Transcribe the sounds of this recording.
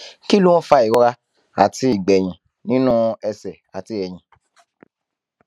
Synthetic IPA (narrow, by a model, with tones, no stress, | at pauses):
ki˦lu˦wɔ̃˦fa˧i˨ɾɔ˦ɾa˦ | a̰˨ti˧i˨ɡ͡bɛ˨j̃ĩ˨ | nĩ˦nũ˦ɛ˧sɛ˨a̰˨ti˧˦ɛ˧j̃ĩ˧